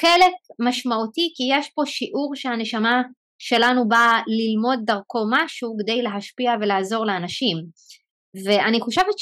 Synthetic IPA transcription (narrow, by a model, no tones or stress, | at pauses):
χelekmaʃmautikijeʃpo̞ʃiʔuʁʃehane̞ʃama | ʃe̞lanubalilmo̞d̪̚ːaʁko̞maʃuked̪ejle̞ɦaʃpiavelaːzo̞ʁleanaʃim | veʔaniχoʃevet̪